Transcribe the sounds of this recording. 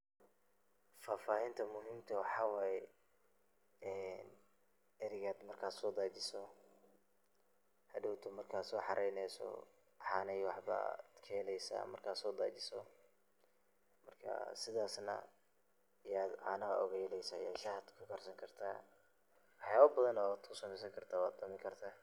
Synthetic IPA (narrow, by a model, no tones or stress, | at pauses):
faːfaːhɪnt̪ʰɐmʊɦiːmt̪ʰɐwɑħɑwaːjɛ | ɛːn | ɛɾɪɣaːd̪mɐrkʰaːd̪sɔːd̪aːt͡ʃɪsɔ | hɐɖʊwt̪ʰʊmɐrkʰaːd̪sɔːħɑɾʔɛjnɛjsɔ̰ | ħɑnɛjwɑħba̰d̪̥kʰɐlɛjsa̰ːmɐrkʰaːd̪sɔːd̪a̰ːt͡ʃɪsɔ | mɐrkʰɐ̰sɪðaːsnɐ̰ | ɪjaːd̪ʕaːnɐɣɐ̰ʔɔɣɛjlɛjsɐjaːʃɐhd̪kʰʊkʰɐrsɐŋkʰɐrt̪ʰa̰ː | wɑħjaːβɐbɐðɐnɔːd̪kʰʊsɐmɛjs̬ɐŋkʰɐrt̪ʰaːwaːd̪̚d̪ɐmɪŋkʰɐrt̪ʰaː